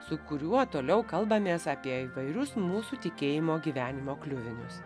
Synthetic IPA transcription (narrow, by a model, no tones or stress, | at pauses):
sʊkʊɾʲuɔt̪oːlʲɛʊkɐlˠbɐmʲeːsɑːpʲiɛiːʋɐɪɾʲʊsmuːsuːt̪ʲɪkʲeːjɪmoːɡʲiːʋʲæːnʲɪmoːklʲʊʋʲɪnʲʊ̰s